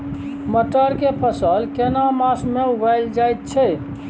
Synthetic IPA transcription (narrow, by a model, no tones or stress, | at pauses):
məʈəɾkepʰəsəlkenamasmeuɡʱajld͡ʒajt̪̚t͡ʃʰɛ